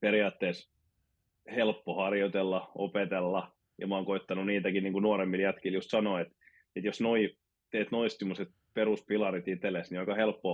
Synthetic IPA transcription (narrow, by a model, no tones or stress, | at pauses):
periɑːt̪ːeːs | helpːohɑrjot̪elːɑo̰pet̪elːɑ | jɑ̰mɑːŋkoit̪ːɑnuniːt̪ækinniːŋkunuoɾemːiljæt̪kiljust̪sɑnoːet̪ | et̪josnoi | t̪eːt̪noist̪imuset̪̚ | peruspilɑrit̪it̪elesniɑikɑhelpːo